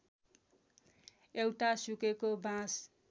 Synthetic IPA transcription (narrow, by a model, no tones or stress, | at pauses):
ewʈasukekobãs